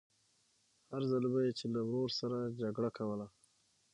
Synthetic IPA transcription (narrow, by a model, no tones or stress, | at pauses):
haɾzəlbajet͡ʃelawɾoɾsaɾad͡ʒaɡɽakʰawəla